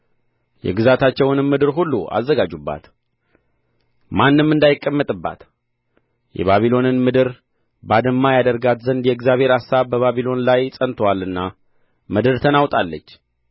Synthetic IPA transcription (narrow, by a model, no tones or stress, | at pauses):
jɛ̰ɡɨzat̪ʰat͡ʃːɛwnɨnmɨd̪ɨɾɦulːua̰zːəɡad͡ʒubːa̰t̪ | manːɨmːɨnd̪ajɪkʼːəmːət̪ʼɨbːa̰t̪ | jɛ̰βaβilo̞nɨnmɨd̪ɨɾ | bad̪ɨmːajad̪əɾɡat̪zənd̪jɛɡzjaβhe̞ɾasaβbəβaβilo̞nlajsʼənt̪ʰwalɨnːa | mɨd̪ɨɾt̪ʰənawt̪ʼalːət͡ʃː